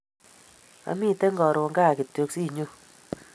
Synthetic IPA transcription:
a̰˨mi˦˨te˦ŋɡɔ˨ɾo˨ŋɡa˦˨ki˨to˧ksi˦˨ɲo˦

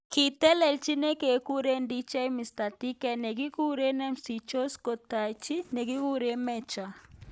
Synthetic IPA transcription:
ki˨t̪ɛ˦lɛ˨lt͡ʃi˦ne˦ke˨ku˦ɾe˦ndi˦t͡ʃa˦jmi˨st̪a˨t̪i˦kɛ˨ne˨ki˦ku˦ɾe˦nɛ˦msi˨t͡ʃo˦sko˨t̪a˨jt͡ʃi˦ne˨ki˦ku˦ɾe˦mɛ˦˨t͡ʃa˨

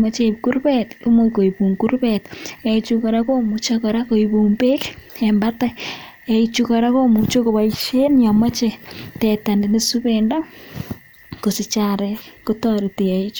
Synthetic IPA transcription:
ma˦t͡ʃeku˦ɾβɛtu˦mo˦ko˨ipu˨ŋku˦rβɛte˨it͡ʃukoɾa˦ko˦mut͡ʃakɔɾa˦ko˨iβu˨mbe˦kembata˦ | e˨it͡ʃu˦kɔ˨ɾa˦ko˦mu˨t͡ʃo˦ko˨βa˨iʃe˦njama˦t͡ʃetɛta˨ndi˨ne˦suβenda˦ | ko˨si˨t͡ʃaɾɛkotɔɾi˨te˨ja˨i˦t͡ʃu

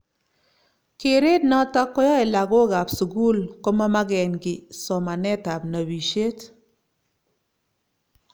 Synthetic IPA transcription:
ke˨ɾe˦t̚nɔ˦ta˦kːɔ˦jɔ˦e˨la˨ɡo˦ɡa˨psu˨ɡu˦lkɔ˦ma˦ma˦ɡɛ˨nɡɪ˨sɔ˨ma˨nɛ˦ta˨p̚na˨bi˨ʃe˦t

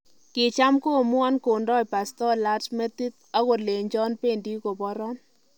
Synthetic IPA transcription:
kɪ˨t͡ʃa˦mko˦˨mʊ˦a˦nko˨ndɔ˦i˨pa˨stɔ˦la˦tmɛ˦t̪i˦t̪a˦ko˨le˨ɲd͡ʒɔ˦npe˦ndi˦ko˨bɔ˦ɾɔ˦n

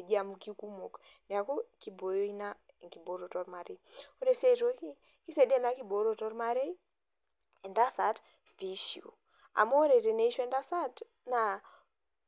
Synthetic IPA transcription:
d͡ʒi˦a˨muki˦ku˦mo˨knɛ˨a˨ko˦ki˨bo˨jo˦i˦na˦˨ŋki˨bo˨˦ɾo˨tɔ˦ɾma˨ɾe˨o˦ɾe˨se˦to˦ki˦ | ki˦se˨di˦e˦˨na˦ki˦bo˨˦ɾo˨tɔ˦ɾma˦ɾe˦i˦ | e˨nda˦sa˨t | vi˨ʃḭ˨ṵ˨ | a̰˨mo˦ɾe˨ɾe˨ne˦i˦ʃɛ˦nda˦sa˦t | na˨

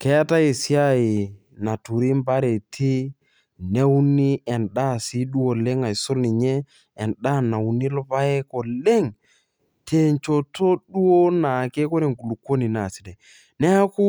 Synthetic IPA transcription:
kɛ˦a˦ta˦e˨si˦a˦i˨ | na˨tu˨ɾi˦mba˦ɾe˨tʰi˦ | nɛ˦u˦ni˦ɛ˨nɗa˦˨si˦ɗu˦o˨le˦ŋa˨i˨sʊ˦lni˨ɲɛ˦ | ɛ˨nɗa˦˨na˨u˨ni˦lʊ˦pa˦e˦ko˨le˦ŋ | tʰe˨nt͡ʃo˨tʰo˦ɗu˦o˦na˨ke˦ko˦ɾe˨ŋku˨lu˨kwo˦ni˨na˨si˨dɛ˨ | nɛ˦a˦ku˦

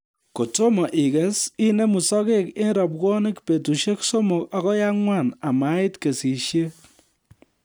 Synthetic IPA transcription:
ko˨to˦mɔ˨ʔi˨kɛ˨si˦ne˦mu˨sɔ˦ke˦ke˦n˦ɾɔ˨p̬̚kwɔ˦nɪ˦kpe˨tu˨ʃe˦kso˦mo˨ka˦kɔ˦ja˦ŋwa˦˨na˨ma˦ɪ˦tke˨si˨ʃje˦

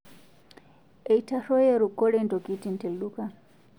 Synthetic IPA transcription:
e˨itʰa˨ʂɔ˦jɛ˦ɾu˨kɔ˦ɺɛ˦nto˨ki˦ti˦˨nte˨lɗu˦ka˦

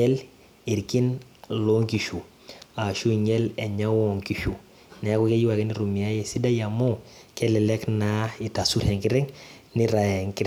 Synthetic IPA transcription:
ɛ˦l | i˨ɾki˦n | lo˦ŋki˨ʃu˨ | a˨ʃu˦˨ɲɛ˦lɛ˨ɲa˦wɔ˨ŋki˨ʃu˨ | nɛ˨˦kɔ˦kɛ˦ji˦wa˨kɛ˦ni˦ɾu˨mi˨a˦jɛ˨si˦da˦ja˨mɔ˦kɛ˦lɛ˨lɛ˦kna˦ɪ˨ta˨su˦ɾhɛ˨ŋkɪ˦ɾɛ˦ŋnɪ˦ɾa˨jɛ˨ŋkɪ˦ɾ

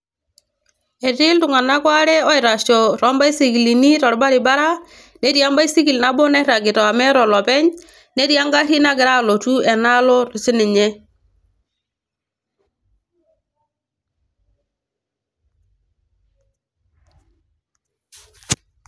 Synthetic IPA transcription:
e˨tɪ˦ltu˨ŋa˨na˦kwa˦ɾɛ˦ɔ˦ɪ˨ɾa˨ʃɔ˨ɾɔ˦mba˦i˦si˨ki˨li˨ni˦ɾɔ˨ɾba˦ɾi˨ba˦ɾa˦ | ne˦ɾja˦mba˦i˦si˦ki˨lna˦bɔ˦nɛ˦ɾa˨ɡɪ˨tɔ˨a˨mɛ˦ɾɔ˨lɔ˨pɛ˦ɲ | ne˦ɾja˦ŋɡa˦ɾi˦na˦ɡɪ˨ɾa˦˨lo˨tu˦ɛ˨na˦lɔ˦ɾu˨sɪ˦nɪ˨ɲɛ˦

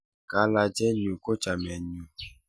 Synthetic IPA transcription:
ka˨˦la˧d͡ʒɛ˦ɲu˨ko˦t͡ʃa˨mɛ˨ɲu˨

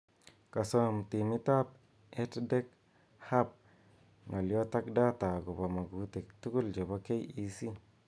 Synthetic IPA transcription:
ka˨so˦˨mti˨mi˦ta˦p̚ | e˦tde˦k̚ | ha˦p̚ | ŋa˨ljo˦ta˦k̚da˦ta˨ɡo˨ba˨ma˨ɡu˨˦te˨k̚tu˦ku˦ld͡ʒe˨ba˦ke˦ji˦si˦

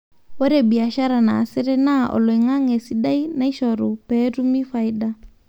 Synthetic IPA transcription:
wɔ˦ɾɛ˨bi˨a˨ʃa˦ɾa˨na̰ː˨sɪ˦ɾɛ˦na˦ʔɔ̰˨lɔ˨i˨ŋa˦ŋɛ˨si˨da˦i˦na˦i˦ʃɔ˨ɾu˨pɛ˦ɾu˦mi˦fa˨i˦da˦

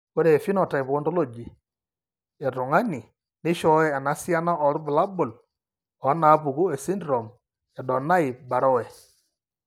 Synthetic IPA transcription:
ko˦ɾeː˨fi˦nɔ˨ta˨i˨po˦ndo˦lo˦˨d͡ʒi˨ | e˨to˨ŋa˦ni˨ | nɪ˦ʃɔ˦ɛː˦˨na˦sja˦na˦ʔɔ˨ɾbu˨la˦bʊ˨l | ɔ˨˦na˨˦pu˨ku˦e˨si˦ndɾo˨m | ɛ˨dɔ˨na˦ɪ˨ba˨ɾɔ˦wɛ˨

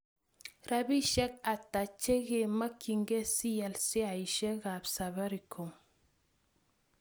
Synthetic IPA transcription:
ɾa˦bi˦ʃɛ˦k̚a˨ta˨t͡ʃe˦ɡe˨ma˦ki˨ŋɡe˦si˦ja˨lsi˦a˨i˨ʃɛ˦ɣa˨bsa˨βa˦ɾi˨kʰo˨m

